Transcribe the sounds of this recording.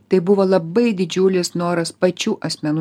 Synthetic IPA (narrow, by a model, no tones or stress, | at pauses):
t̪ɐɪbʊʋoːlˠɐbɐɪd̪ʲɪd͡ʒʲʊlʲɪsnoːɾɐspɐt͡ʃʲuːʔɐsʲmʲɛnu